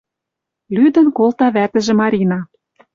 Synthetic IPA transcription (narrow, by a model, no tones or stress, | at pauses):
lyd̪ə̆nkolt̪ɑβæt̪ə̆ʒĕmɑɾʲinɑ